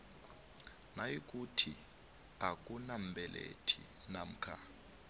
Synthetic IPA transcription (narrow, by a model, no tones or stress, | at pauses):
najik̬ʼutʰi | ak̬ʼunambʱɛlʔḛtʰi | nam̩kʰa